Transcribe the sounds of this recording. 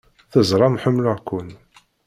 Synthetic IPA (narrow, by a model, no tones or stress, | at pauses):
θəzˤɾˤɑmħəmːlʊʁkʷːʊn